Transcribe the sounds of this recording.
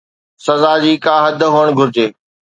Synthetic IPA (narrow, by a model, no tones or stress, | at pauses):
sɐzaːd͡ʑiːkãːɦɐd̪ʱɦoːəɽ̃ɡʱʊɾɪd͡ʑeː